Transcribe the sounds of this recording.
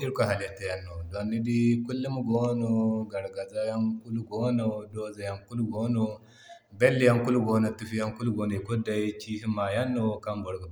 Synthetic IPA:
i˦ɾkʷo˨ɦa˨li˨ja˨tːa˨ja˦nːo˨do˨nːi˦di˦ku˦lːu˦mu˦ɡo˦no˨ɡa˨ɾɡa˨za˦ja˦ŋku˦lu˦ɡo˦no˨doː˦za˨ja˦ŋku˦lu˦ɡo˦no˦ | be˦lːi˦ja˦ŋku˦lu˦ɡo˦no˨tu˦fi˦ja˦ŋku˦lu˦ɡoː˦no˨i˨ku˦da˨i˦t͡ʃiː˦hi˦mːa˨ja˦nːo˦ka˦mbo˨ɽɡu˨

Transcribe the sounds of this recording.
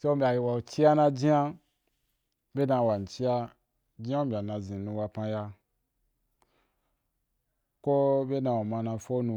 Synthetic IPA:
se˦o˦m̩˦bʲa˨ji˧wa˨o˨t͡ʃi˦ja˦nã˧d͡ʒĩ˦a˦ | bʲe˦dã˧˨wa˨n˨t͡ʃi˦ja˧ | d͡ʒi˦a˦mbʲa˨nã˧zĩ˨nũ˧wa˧pã˧ja˧ | ko˦be˦dã˧wo˨mã˧nã˧fo˦nũ˧

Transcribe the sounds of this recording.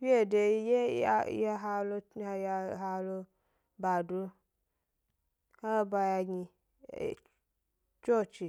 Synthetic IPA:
fi˦e˦˨de˧˦je˦a̰˦a˧˦ɦa˧lo˧a˧ja˧˨ɦa˧lo˧ | ba˨du˧ | ha˦ba˧ja˧ɡḭ˧˨ | t͡ʃo˦˨t͡ʃi˨

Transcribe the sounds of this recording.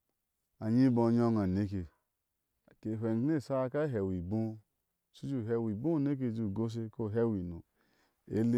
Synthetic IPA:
a˨ɲi˦bo˧˨ɲ˦o˦ŋa˨ne˨˦ke˨ | ke˨ɦʷe˨n˨˦ne˦˨sa˦a˧ka˦ɦe˨wi˨bũ˦˨ | su˦d͡ʒu˦˨ɦe˧wi˨bu˦˨ne˦k̬e˦˧˨d͡ʒu˦˨ɡo˦s̬e˦˧ko˦˨ɦe˦wi˨nu˨ | ḛ˦le˦

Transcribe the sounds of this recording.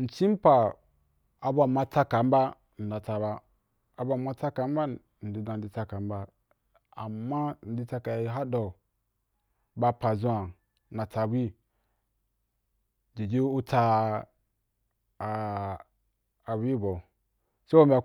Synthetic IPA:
n̩˨t͡ʃi˦m̩˦pa˨ | a˨ba˦˨ma˦ta˦ka˨m̩˦ba˦ | n̩˨da˨ta˨baː˦˨ | ba˦˨ma˦ta˦ka˨˦m̩˦ba˦ | n̩˨di˨dã˨n̩˨di˦ta˦ka˨m̩˦ba˦ | a̰˨mːa˦n̩˨di˦ta˦ka˨˦ɦa˦do˨ | ba˧pa˨zũ˦a˨˦ | a˨ta˨wi˦ | d͡ʒi˨d͡ʒi˦u˦ta˧˨ | wi˦bo˨ | se˦bo˦m̩ʲ˦a˨

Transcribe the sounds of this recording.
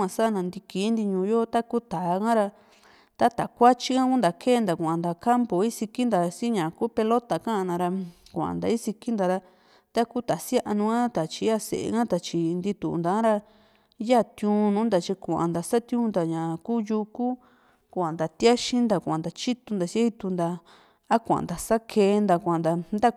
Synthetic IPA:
ã˨sa˦˧nã˨˧nd̪i˧ki˨˦nd̪i˧ɲũː˧jo˦t̪a˦ku˦t̪a˨˧kã˦ɾa˧ | t̪a˦t̪a˨kʷa˦t͡ʃi˦kã˦ku˦nd̪a˨kʰeː˦˨nd̪a˨kʷã˨nd̪a˨ka˦mpo˨i˦si˧ki˦nd̪a˨˧si˦ɲã˨kuː˦pe˧lo˦t̪a˨kã˦ʔnã˧ɾa˧kʷa˨ʔã̰˨nd̪a̰˨i˦si˧ki˦nd̪a˨ɾa˧ | t̪a˦ku˦t̪a˨si˦a˦ʔa˧nũ˧ã˦t̪a˨t͡ʃi˧˦a˦sḛ˨ḛ˧ŋã˦t̪a˨t͡ʃi˧nd̪i˧t̪ṵ˨˧nd̪ã˧˦ɾa˧ | ja˦˨t̪jũː˧nũː˨˦nd̪a˨t͡ʃi˧kʷu˨ʔã̰˨nd̪a˨sa˦t̪jũ˦nd̪a˨ɲã˨kuː˦ju˧ku˦ | kʷã˨nd̪a˨t̪ja˦ʃĩ˦nd̪a˨kʷã˨nd̪a˨t͡ʃi˦t̪u˧nd̪a˨si˦a˦i˧t̪u˧nd̪a˧ | a˦kʷa̰˨nd̪a˨sa˦kʰeː˧nd̪a˨kʷã˨nd̪a˧nd̪a˦

